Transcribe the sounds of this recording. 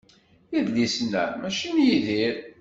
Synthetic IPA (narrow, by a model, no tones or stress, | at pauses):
jiðlisnæ̰mæʃinjiðiɾ